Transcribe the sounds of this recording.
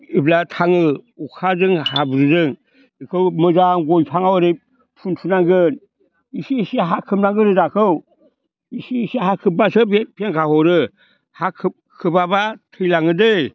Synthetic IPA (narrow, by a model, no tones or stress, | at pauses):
iblatʰaŋɯukʰazɯŋhabɾɯzɯŋ | ɯkʰɯwmɯd͡ʒaŋɡɔjpʰaŋawɯɾe | pʰuntʰunaŋɡɯn | isiisiaɦakʰɯmnaŋɡɯɾɯdakʰɯw | isisiaɦakʰɯbasɯbepʰeŋkʰahɔɾɯ | hakʰ | kʰɯbabatʰɯjlaŋɯdɯj